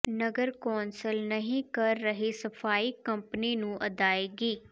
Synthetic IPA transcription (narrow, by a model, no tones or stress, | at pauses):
nəɡəɾkɔːnsəlnəɦĩːkəɾːəɦeːsəpʰaːiːkə̃mpniːnũːʔəd̪aːeːɡiː